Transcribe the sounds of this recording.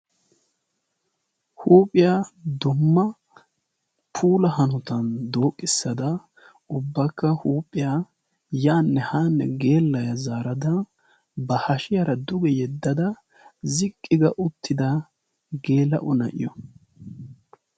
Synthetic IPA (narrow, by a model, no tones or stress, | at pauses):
huːpʼːɪjad̪ʊmːɐ | pʰuːlɐhɐnʊt̪ɐnd̪o̞ːkʼːɪsːɐd̪ɐ | ʊbːɐkːɐhuːpʼːɪjaː | jaːnːɛhaːnːɛɡe̞ːlːɐjɐzaːɾɐd̪ɐ | bɐhɐʃɪjɐɾɐd̪ʊɡɛjɛd̪ːɐd̪ɐ | zɪkʼːɪɡɐʔʊt̪ːɪd̪ɐ | ɡe̞ːlɐ̰ʔʊnɐ̰ʔɪ̰jɔ